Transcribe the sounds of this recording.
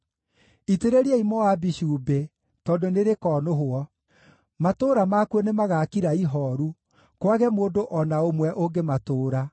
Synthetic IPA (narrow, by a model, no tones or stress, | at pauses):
iteɾeɾiɛimɔwabiɕuːbe | tɔdoneɾekɔnoɦoɔ | matoːɾamakuɔnemaɣakiɾaiɦɔɾu | kwaɣɛmoːndoʔɔnaomwɛʔoɡematoːɾa